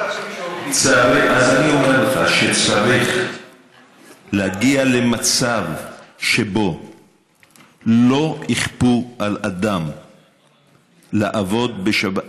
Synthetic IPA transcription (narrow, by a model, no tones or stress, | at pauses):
t͡saʁazaniomeʁlotχaʃet͡saʁiχ | lehaɡiale̞mat͡savʃe̞bo̞ | lo̞iχpualad̪am | leʔavo̞d̪beʃaba